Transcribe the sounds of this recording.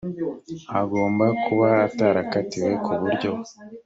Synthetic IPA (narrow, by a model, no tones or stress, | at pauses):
aɡo̞ːmbakuβaːtaːɾakatiwe̞kʰuβuɾɟo̞